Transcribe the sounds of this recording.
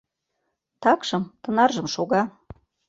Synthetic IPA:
t̪ɑkʃɤ̆mt̪ɤ̆nɑrʒɤ̆mʃoɣɑ

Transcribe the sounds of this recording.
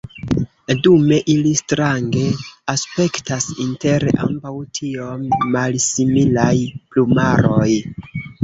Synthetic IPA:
dume̞ʔilistɾaŋɡe̞aspe̞ktasinte̞ɾeʔa̰mbawtʰio̞mːalsimilajplumaɾo̞j

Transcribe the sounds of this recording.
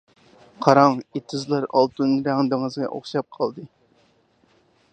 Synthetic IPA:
qʰɑɾɑŋet̪ʰɨzlˠɑɾɑ̰lˠt̪unɾæŋd̪ɨŋɨzʁɑ̰ʔo̰χʃɑp̚qʰɑlˠd̪ɨ

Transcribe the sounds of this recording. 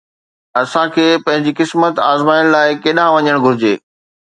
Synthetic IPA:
ɐsãkʰeːpɐ̃ɦɪ̃ɲd͡ʑikɪsmət̪aːzmaːɪɽ̃laːɪkeːɗãʋɐɲəɽ̃ɡʱʊɾɪd͡ʑḛː

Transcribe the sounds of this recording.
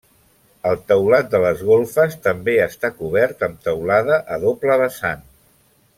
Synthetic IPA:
əlˠt̪əwlat̪̚d̪ələzɣolˠfəst̪əmbeəst̪akuβ̞ɛɾt̪əmt̪əwlaðəʔəðopləβəsan

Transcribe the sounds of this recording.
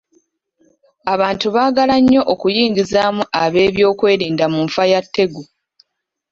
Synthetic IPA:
aβaːntuβaːɡalaɲːo̞ʔokujiːŋɡizaːmuʔaβe̞ːβjo̞ːkwe̞ːɾiːndamuɱfajatːe̞ɡu

